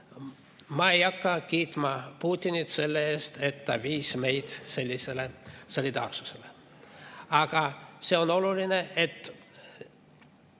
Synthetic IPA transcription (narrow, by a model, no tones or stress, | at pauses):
mɑejɑkːɑkiːt̪mɑpuːt̪ʲːinit̪se̞lːeeːst̪et̪ːæviːsme̞jd̪̥se̞lʲːise̞leso̞lʲid̪ɑ̰ːrsu̥sele | ɑɡ̥ɑse̞o̞no̞lulineʔet̪ː